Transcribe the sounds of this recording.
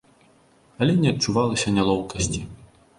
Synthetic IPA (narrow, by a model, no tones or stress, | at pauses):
ɐlʲɛnʲɛɐt͡ʂːuvalˠɐsʲɐnʲalˠɔwkɐsʲt͡sʲi